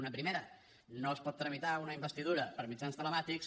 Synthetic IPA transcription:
unəpɾimeɾə | noəspɔt̪ːɾəmit̪aunəimbəst̪iðuɾəpəɾmid͡ʒanst̪ələmat̪iks

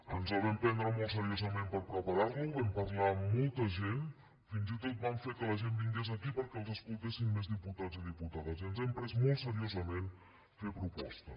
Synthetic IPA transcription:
ənzəβɛmpɛnd̪ɾəmolˠsəɾiozəmempəɾpɾəpəɾarluβɛmpərlaːolˠt̪əʒen | finzit̪ot̪̚bamɱfekələʒenbiŋɡez̬əkipəɾkɛəlˠzəskulˠt̪esimmezðiput̪ad͡ziðiput̪aðəzənzβɛmpɾɛzmolˠsəɾiozəmen | fepɾupɔ̰st̪ə

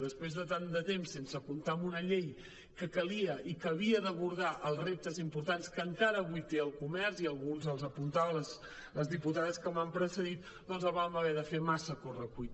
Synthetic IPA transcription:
ðəspɾezðət̪and̪ət̪emsːensəkunt̪amunəʎej | kəkəliəʔikəβ̞iəðəβuɾðaʔəlˠzrep̚t̪əzimpuɾt̪anskəŋkaɾəːβuit̪eəlˠkumɛɾziəlˠɣunzəlˠzəpunt̪aβələs | ləzðiput̪aðəskəmampɾəsəðit̪ | d̪ɔnzəβaməβɛðəfemasəkurəkuit̪

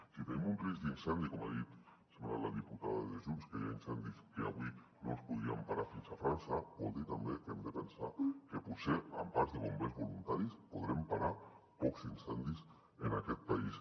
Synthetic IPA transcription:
kifenimunrizd̪insɛnd̪ikɔmaðit̪ | semana̰laðiput̪aðaðeʒunskejainsɛnd̪iskea̰βwi | no̰lspuðɾiampaɾafinsafɾansabɔ̰lˠd̪it̪ambekemd̪epensakeput̪seampaɾzðeβombezβulunt̪aɾispuðɾɛmpaɾapɔkzinsɛnd̪is | enakɛt̪̚pais

